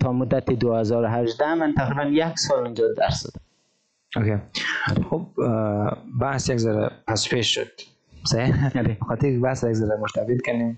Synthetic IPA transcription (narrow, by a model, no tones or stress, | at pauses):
t̪ʰɔmʊd̪at̪id̪ʊhazɔɾʊɦaʒd̪amant̪ʰaqɾibanjaksɔlʊnd͡ʒɔd̪a̰ɾsɔ̰d̪am | okedxob̚ | bahsjakzaɾa̰paspeʃʃʊ̰d̪̥̚ | sadebəxɔt̪ɪɾkbahsjakzaɾamʊɾt̪ʰabilkanim